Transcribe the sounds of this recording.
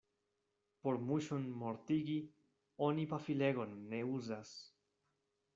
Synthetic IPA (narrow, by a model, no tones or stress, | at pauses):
poɾmuʃunmoɾt̪iɡi | onipafileɣonːeuzas